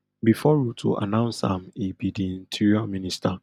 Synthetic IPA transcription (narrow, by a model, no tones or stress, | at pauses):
bifɔjutʰṵʔa̰nãʊ̃nsã̰mibidiĩntʰiɹiɔmĩnistʰa